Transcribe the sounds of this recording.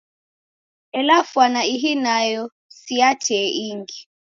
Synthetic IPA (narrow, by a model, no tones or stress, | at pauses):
ɛlafwanaiɦinajɔ | siatʰɛʔiŋɡi